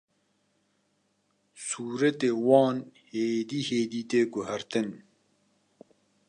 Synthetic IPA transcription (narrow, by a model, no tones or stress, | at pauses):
suːɾɐt̪ewɑːnheːd̪iːheːd̪iːt̪eɡuhaɾt̪ɪn